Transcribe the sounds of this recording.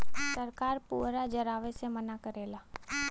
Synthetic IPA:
səɾkaːɾpuːɾad͡ʒəɾaːʋesemənakəɾeːlaː

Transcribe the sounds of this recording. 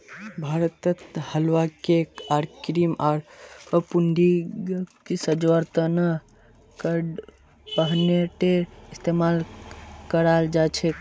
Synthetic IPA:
bʱaːɾət̪ət̪həlʋakekaɾkɾimaɾəpunɖi | kisəd͡ʒʋəɾt̪ənə | kəɖ | pəɦneʈeist̪emalkəɾald͡ʒat͡ʃʰe

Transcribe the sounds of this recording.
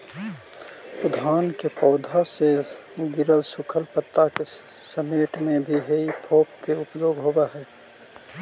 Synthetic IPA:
pəd̪ʱaːnkepɔʊd̪ʱaseɡɪɾəlsʊkʰəlpət̪ːake | səmeːʈmẽbʱiɦeipʰoːpkeʊpjoːɡɦobaɦɛː

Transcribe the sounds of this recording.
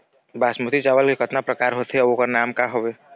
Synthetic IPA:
baːsmut̪it͡ʃaːʋəlkekət̪napɾəkaːɾɦoːt̪ɦɛokanaːmkaɦoʋeː

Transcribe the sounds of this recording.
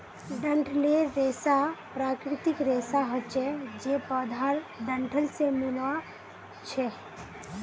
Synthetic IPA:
ɖə̃ɳʈʰleɾeːsapɾakɾɪt̪ɪkɾeːsaɦət͡ʃɛd͡ʒepəd̪ʱaɾɖə̃ɳʈʰəlsemɪlwa | t͡ʃʰɛ

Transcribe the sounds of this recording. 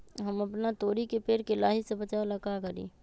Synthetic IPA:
ɦɐmɐpnat̪oːɾikepeːɾkelaːɦisebɐt͡ʃalɐkakɐɾḭ̃ː

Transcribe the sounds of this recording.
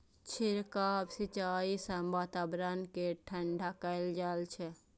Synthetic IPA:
t͡ʃʰiɾkabsit͡ʃaisəmbat̪abɾənkeʈʰəɳɖʱakəɪld͡ʒalt͡ʃʰɛ

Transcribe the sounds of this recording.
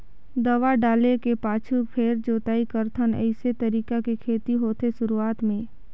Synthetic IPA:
d̪ɐʋaɖaːlekepaːt͡ʃʰupʰeːɾd͡ʒoːt̪aːikəɾt̪ʰənə̰ɪset̪ɐɾiːkakekʰeːt̪iɦoːt̪eʃʊɾuaːt̪mẽː

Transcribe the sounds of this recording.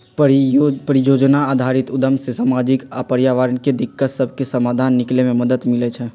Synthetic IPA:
pəɾijoːd͡ʒnaaːd̪ʱaɾit̪ʊd̪əmsesamaːd͡ʒikapəɾjaːʋaːɾənked̪ɪkːət̪səbʱkesəmaːd̪ʱaːnːɪklemẽməd̪ət̪mɪlɛt͡ʃʰɛ

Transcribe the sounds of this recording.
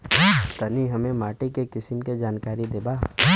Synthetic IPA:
t̪ɐniɦɐmẽmaːʈekekɪsɪmked͡ʒaːnkaːɾid̪eːbaː

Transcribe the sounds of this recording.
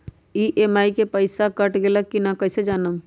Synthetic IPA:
iːʔeːmaːikepəɪsakəʈɡelakːinakəjsed͡ʒaːnəm

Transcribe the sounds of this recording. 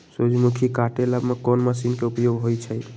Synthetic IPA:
sod͡ʒmukʰikaʈelabmekɔnmasinkeupjoɡɦojt͡ʃʰəj

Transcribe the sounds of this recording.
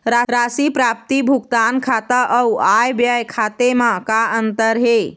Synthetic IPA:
ɾaɾasipɾap̚t̪ibʱuɡt̪ankʰat̪əʔəuajbjajkʰat̪emãkaənt̪əɾɦe

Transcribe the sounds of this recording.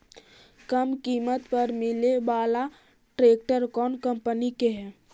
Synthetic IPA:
kəmkiːmət̪pəɾmɪlebaːla | ʈɾeːk̚ʈəɾkɔːnkə̃mpənikeɦɛː

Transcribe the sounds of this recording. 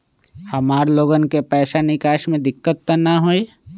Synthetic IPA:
hɐmaːɾloːɡənkepɛːʃanɪkaːʃmẽd̪ɪkːət̪ːanaɦoe

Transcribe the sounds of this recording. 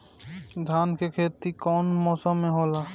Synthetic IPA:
d̪ʱankekʰet̪ikɔnmɔsɔmeɦɔla

